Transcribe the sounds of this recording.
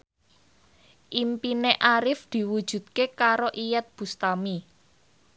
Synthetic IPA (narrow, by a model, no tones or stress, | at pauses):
ʔimpineʔaɾɪfd̪̥i̤wud̥ʒ̥ṳd̪̚kekaɾoʔijɛt̪̚b̥ṳst̪ami